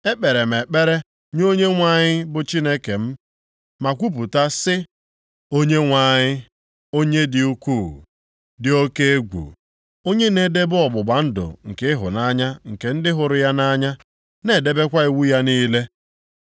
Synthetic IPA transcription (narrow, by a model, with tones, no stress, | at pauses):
e˦k͡pe˨ɾe˨m̩˨e˨k͡pe˦ɾe˦ | ɲo˦ɲe˦ŋʷa˦ɲɪ˦bʊ˨t͡ʃi˦ne˦ke˨m̩˦ | ma˨kʷu˦p̬u˨ta˦sɪ˦ | o˦ɲe˦ŋʷa˦ɲɪ˦ | o˦ɲe˦dɪ˨u˦kʷu˦˨ | dɪ˨o˦ke˦e˦ɡʷṵ˨ | o˦ɲe˦ne˦de˦bʊ˦ɔ˨bʊ˨ɡ͡ba˨n̩˦dʊ̰˨ŋ̩˨kɪ˦ɦʊ̰˨na˦ɲa˦ŋ̩˨ke˨n̩˦dɪ˦ɦʊ˨ɾʊ˨ja˦na˦ɲa˦ | ne˨de˦be˦kʷa˦i˨wu˦ja˦niː˦le˦